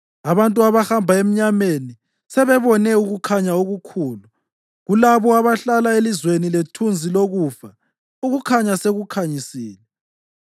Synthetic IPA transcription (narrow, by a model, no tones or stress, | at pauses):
aβantʼuaβahambʱaem̩ɲameni | sɛβɛβɔnɛuɣukʰaɲaoɣukʰuːlu | ɣulaβɔaβaɬalaelizweniletʰund͡zʱiloɣufa | uɣukʰaɲaseɣukʰaɲisiːlɛ